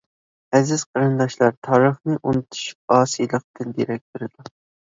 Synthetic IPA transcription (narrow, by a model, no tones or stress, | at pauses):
ɛzɪz̥qʰəɾɨnd̪ɑʃlˠɑɾt̪ʰɑːɾəχnɨʔunɨt̪ʰu̥ʃy̥p̚ɑːsijlˠəq̚t̪ɨnd̪iɾɛk̚ʲt̪ʰoɾɨd̪ɑ